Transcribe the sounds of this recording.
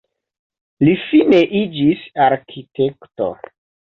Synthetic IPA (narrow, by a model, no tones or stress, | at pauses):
lifineʔid͡ʒisaɾkʰitekto̰